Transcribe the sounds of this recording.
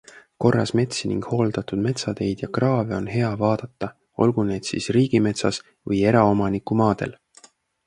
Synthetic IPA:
ko̞rːɑ̰sme̞t̪sinḭŋɡ̥ho̞ːld̪̥ɑt̪ud̪̥me̞t̪sɑd̪e̞jd̪̥jɑkrɑːveo̞nɦe̞ɑvɑːd̪̥ɑt̪ˑːɑ | o̞̰lɡ̥une̞ːd̪̥sḭsriːɡ̥ime̞t̪sɑs | vɤje̞ɾɑo̞mɑnikumɑːd̪̥e̞̰l

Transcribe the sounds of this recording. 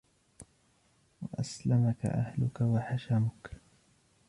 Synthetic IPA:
waʔaslamaka̰ʔa̰hlʊkawaħaʃamʊk

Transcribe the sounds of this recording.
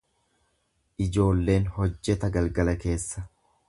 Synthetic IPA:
ʔɪd͡ʒo̞ːlːe̞ːnhɔd͡ʒːɛt̪ɐɡɐlɡɐlɐke̞ːsːɐ

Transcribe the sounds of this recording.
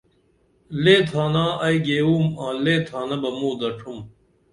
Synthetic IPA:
leːt̪ʰaːnãːɐjɡeːuːmãːleːt̪ʰaːnɐbɐmũːd̪ɐʈʰum

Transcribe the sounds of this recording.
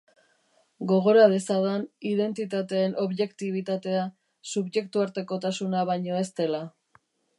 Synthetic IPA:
ɡo̞ɣo̞ɾað̞e̞saðaniðe̞nt̪it̪at̪e̞ːnʔo̞βʎe̞kt̪iβ̞it̪at̪e̞a | suβʝe̞kt̪uaɾt̪e̞ko̞t̪asunaβajɲo̞e̞st̪e̞la

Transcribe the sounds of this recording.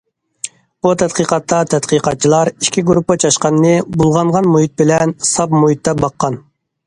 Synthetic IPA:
but̪ʰɛt̪qiqɑt̪ːɑt̪ʰɛt̪qiqɑt̪̚t͡ʃʰilˠɑɾi̥ʃkʲʰiɡuɾupːɨt͡ʃʰɑʃqɑnːɨbulˠʁɑɴʁɑnmujit̪̚bɪlɛnsɑpmujit̪ʰːɛbɑqːɑn

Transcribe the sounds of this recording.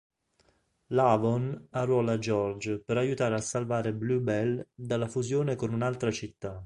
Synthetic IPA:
lavonarwɔːlad͡ʒɔrd͡ʒpeɾajut̪aːɾeasːalvaːɾeblubɛld̪alːafuzjoːnekonunalt̪ɾat͡ʃit̪ːa

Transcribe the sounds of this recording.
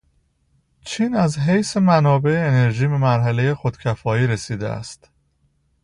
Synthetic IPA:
t͡ʃʰiːnæzɦejse̞mænɒːbe̞eːneɾʒiːbe̞mæɾɦæle̞je̞xo̞d̪̥cʰæfɒːiːɾe̞siːd̪eʔæ̰st̪

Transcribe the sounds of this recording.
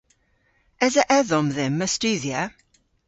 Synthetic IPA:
ɛzəʔɛðɔmðɪmːəstʉːðjə

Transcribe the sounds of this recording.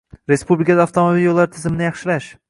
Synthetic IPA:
ɾe̞spublɪkʰad̪aːft̪ʰomabiljolˠːaɾɪt̪ʰɪzɪmɪnɪjɑχʃɪlaʃ

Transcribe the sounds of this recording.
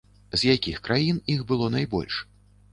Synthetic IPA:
zʲjakʲixkɾajinixbɨlˠɔnajbɔ̰lʲʂ

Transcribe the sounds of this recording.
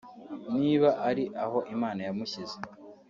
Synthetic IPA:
niːβaʔaɾiʔaho̞ʔimaːnajamuçize

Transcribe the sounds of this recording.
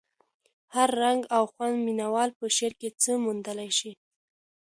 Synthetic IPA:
haɾːaŋɡawxwand̪minawɑlpəʃeɾket͡səmund̪əlajʃi

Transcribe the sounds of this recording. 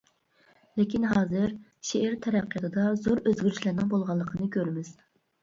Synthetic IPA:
lekʲinɦɑːzɨɾʃeʔæɾt̪ʰɛɾæqːjɑt̪ʰɨd̪ɑzoɾøzɡʲyɾyʃlæɾnɪŋbolˠʁɑlˠːəqʰənɨkʲʰøɾmɪz̥

